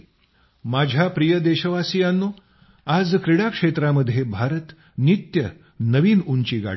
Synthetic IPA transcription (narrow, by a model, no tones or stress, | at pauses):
mad͡ʑʱjapɾijəd̪eɕəʋasijanːo | ad͡zkɾiɽakʂet̪ɾaməd̪ʱːjebʱaɾət̪ | nit̪jə | nəʋiːnuɲt͡ɕiːɡa̰